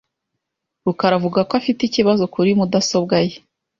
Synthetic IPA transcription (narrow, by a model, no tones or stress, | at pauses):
ɾukaɾavuɡakoafiticiβazo̞kuɾimudaso̞bɡaje